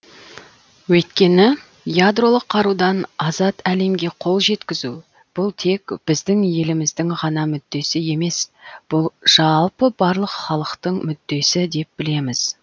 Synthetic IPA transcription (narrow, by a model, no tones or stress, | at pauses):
wɵjt̪̚kʲe̞nɪ | jad̪ɾo̞lˠəqʰːɑɾud̪ɑnɑzɑt̪æle̞mɡʲe̞qʰo̞lˠʒe̞t̪kʲɪzu | b̥ʊlˠt̪ʰe̞kb̥ɪzd̪ɪŋje̞lɪmɪzd̪ɪŋʁɑnɑmʏd̪ːe̞sɪje̞me̞sb̥ʊlˠʒ̥ɑlˠpəbɑɾlˠəqχɑlˠəqt̪əɴmʏd̪ːe̞sɪd̪e̞p̚bɪle̞mɪz̥